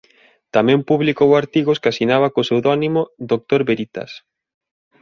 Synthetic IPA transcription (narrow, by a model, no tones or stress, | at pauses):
t̪amɛ̃mpuβlikowaɾt̪iɣoskasinaβakosewðɔnimoðok̚t̪oɾβeɾit̪a̰s